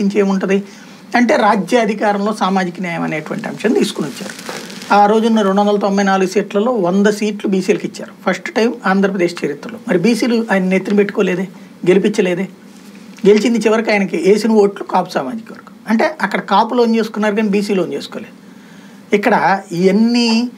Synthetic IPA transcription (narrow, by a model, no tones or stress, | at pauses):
iɲt͡ʃeːjmuɳʈɐnd̪i | ɐɳʈe̞ːɾaːd͡ʒjaːɐd̪ʱikaːɾɐmlo̞ːsaːmaːd͡ʒikɐnaːjɐmɐne̞ːʈuʋɐ̰ɳʈiɐ̰mʂɐnt̪iːsu̥kunot͡ʃːa̰ːɾuaːɾo̞ːd͡ʒunːɐɾeɳɖuʋɐnd̪ɐlɐt̪o̞mbɐjnaːluɡusiːʈlɐlo̞ːond̪ɐsiːʈlubiːsiːlɐkit͡ʃːa̰ːɾupʰɐsʈʈɐjmaːnd̪ʱɾɐpɾɐd̪eːʂt͡ʃeɾit̪ɾɐloːmɐɾibiːsiːluʔaːjɐnɐnet̪ːinupe̞ʈːu̥koːleːd̪eː | ɡe̞lipiɲt͡ʃːɐle̞ːd̪eː | ɡelit͡ʃind̪it͡ʃiʋɐɾikaːjɐnɐkie̞ːsinɐo̞ːʈlukaːpu̥saːmaːd͡ʒikɐʋɐɾku̥ɐɳʈe̞ːʔɐkːɐɽɐkaːpuloːnt͡ʃe̞ːsu̥kunːaːɾukaːnibiːsiːloːnt͡ʃe̞ːsu̥koːleːd̪u | ikːɐɽɐienːi